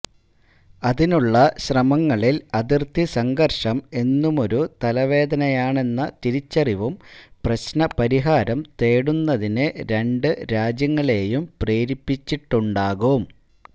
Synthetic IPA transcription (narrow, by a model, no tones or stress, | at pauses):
ɐðinuɭːɐɕrɐmɐŋːɐɭilɐðirt̪isɐŋɡɐrʂɐme̞nːumo̞ɾut̪ɐlɐʋe̞ːd̪ɐnɐjaːɳe̞nːɐt̪iɾit͡ɕːɐriʋumprɐɕnɐpɐɾiɦaːɾɐmt̪e̞ːɽunːɐðinɨɾe̞ɳɖɨɾaːd͡ʑjɐŋːɐɭe̞ːjumpreːɾipːit͡ɕːiʈːuɳɖaːɣum